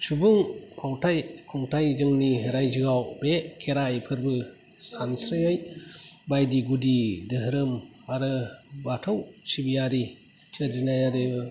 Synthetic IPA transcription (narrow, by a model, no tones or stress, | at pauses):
subuŋpʰawtʰajkʰuŋtʰajzɯŋniɾajd͡ʒɯɡawbekʰeɾajpʰɯɾbɯ | sansɾɯjajbajdiɡudidɯɦɯɾɯm | aɾɯbatʰawsibijaɾi | sɯɾd͡ʒinajaɾɯɯ